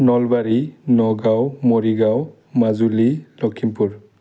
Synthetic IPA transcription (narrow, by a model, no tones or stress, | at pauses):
nɔlbaɹinɔɡawmoɹiɡaw | mazulilɔkʰimpuɹ